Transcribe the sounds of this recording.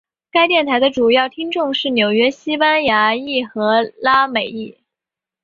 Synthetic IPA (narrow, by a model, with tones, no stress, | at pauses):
ka˥ɪt̪jɛ˥˩nt̪ʰa˧˥ɪd̪ə˧ʈ͡ʂu˨˩jɑ˥˩ʊt̪ʰi˥ŋʈ͡ʂʊ˥˧ŋʂɻ̩˥˩njo˨˩ʊɥɛ˥ɕi˥pa˥nja˧˥i˥˩xɤ˧˥la˥me˨˩ɪi˥˩